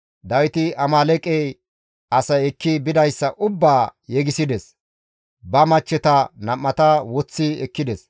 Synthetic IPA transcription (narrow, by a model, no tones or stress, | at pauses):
d̪ɐwɪt̪ɪɐmaːlɛkʼej | ɐsɐjɛkːɪbɪd̪ɐjsːɐʔʊbːaːjɛɡɪsɪd̪ɛs | bɐmɐt͡ʃːɛt̪ɐnɐmːɐt̪ɐwɔt͡sːɪɛkːɪd̪ɛs